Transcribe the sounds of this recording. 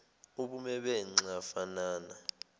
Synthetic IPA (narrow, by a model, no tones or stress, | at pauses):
uɓumɛɓɛŋ͡ǀafanaːna